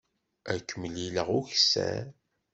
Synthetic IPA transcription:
ækːəmliləʁʊçsæ̰

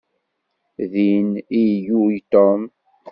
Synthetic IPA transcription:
ðinijujt̪ɔm

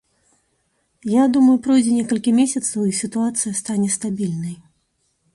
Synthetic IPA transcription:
jad̪umɐjupɾɔjd͡zʲɛnʲɛkɐlʲkʲimʲesʲɐt̪sɐwisʲit̪uat̪sɨjɐst̪anʲɛst̪abʲilʲnɐj

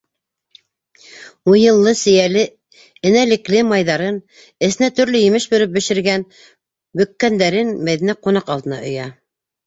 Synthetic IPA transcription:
ujɤ̆lˠːɤsɘ̆jælɘ | ɘ̆nælɘ̆klɘmɑjðɑɾɤn | ɘ̆θɘ̆næt̪ɵ̆ɾlɵjɘ̆mɘʃbɵ̆ɾɘp̚bɘ̆ʃɘ̆ɾɡæn | bɵ̆kːænd̪æɾɘnmæðinæqunɑqɑlˠd̪ɤ̆nɑ̰ʔŏjɑ

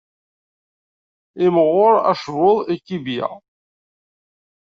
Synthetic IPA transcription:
ɪməʁːʊɾæ̰ʃvoðˤikːibjæ̰

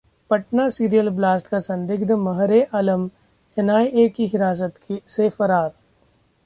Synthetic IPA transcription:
pɐʈnasiːɾijəlblaːsʈkasɐ̃nd̪ɪɡd̪mɐɦɾeʔɐləm | ɛnaːiʔekiɦɪɾaːs̬ət̪ksefɐɾaːɾ

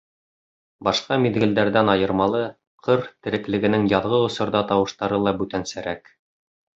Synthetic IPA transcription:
bɑʃqɑmiðɡɘ̆ld̪æɾðænɑjɤ̆ɾmɑlˠɤ | qʰɤɾt̪ɘ̆ɾɘ̆klɘ̆ɡɘ̆nɘŋjɑðʁɤŏsŏɾðɑt̪ɑwɤ̆ʃt̪ɑɾɤlˠɑbʉt̪ænsæɾæk

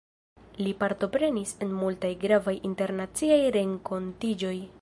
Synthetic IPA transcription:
lipaɾto̞pɾe̞nise̞nmultajɡɾavajʔinte̞ɾnat͡siajɾe̞ŋko̞ntid͡ʒo̞j

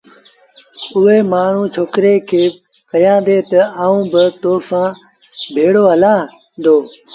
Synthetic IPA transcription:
ʊɦeːmaːɳ̤ũːt͡ʃʰoːkɾeːkʰeː | kəjãːd̪eːt̪ɐaːũːbɪt̪oːsãː | bʱeːɽoːɦəlãː | d̪oː

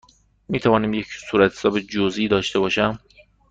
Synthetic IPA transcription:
miːt̪ʰævɒːniːmjecsuːɾæt̪ʰhesɒːbed͡ʒoziːd̪ɒːʃt̪ʰe̞bɒːʃæm

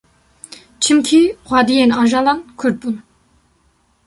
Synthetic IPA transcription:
t͡ʃʰɨmkʲʰixʷwɑːd̪ijenɑːʒɑlɑnkʰʊɾ̚bun

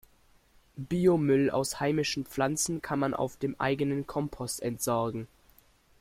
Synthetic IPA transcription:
biːomʏla̰ʊshaɪmɪʃn̩p͡flant͡sn̩kʰanmanʔa̰ʊfd̥eːmʔa̰ɪɡənənkʰɔmpʰɔstɛntz̥ɔɐɡŋ̩

